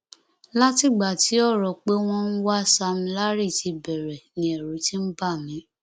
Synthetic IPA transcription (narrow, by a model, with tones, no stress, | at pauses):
la˦ti˦˨ɡ͡ba˨ti˨˦ɔ˦˨ɾɔ˨k͡pe˦w̃ɔ̃˦n̩˦wa˦sa˧mĩ˧˦la˦ɾi˦˨ti˧bɛ˨ɾɛ˨nĩ˨˦ɛ˨ɾu˨˦tĩ˦m̩˦ba˦˨mĩ˨˦